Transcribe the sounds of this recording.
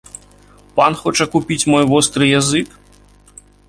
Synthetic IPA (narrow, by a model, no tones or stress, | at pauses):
panxɔt͡ʂɐkupʲit͡sʲmɔjvɔst̪ɾɨjazɨk